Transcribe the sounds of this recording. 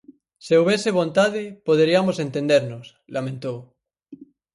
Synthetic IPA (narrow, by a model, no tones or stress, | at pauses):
seuβ̞eseβ̞õnt̪að̞epoðeɾiamosent̪ẽnd̪eɾnos | lamẽnt̪ow